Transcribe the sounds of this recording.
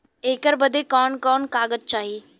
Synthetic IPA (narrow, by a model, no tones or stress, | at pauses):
eːkəɾbəd̪ekɔːnkɔːnkaːɡəd͡ʒ̚t͡ʃaːɦiː